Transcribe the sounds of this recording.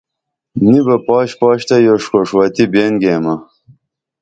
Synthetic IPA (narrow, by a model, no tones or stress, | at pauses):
nibɐpɑːɕpɑːɕt̪ɐjoʂkoʂwaːt̪ibeːnɡeːmɐ